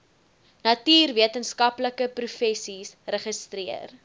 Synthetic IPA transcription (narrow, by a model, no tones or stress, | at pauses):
nɐtiːrviətənskɐpləkəprufɛsisrəχəstriər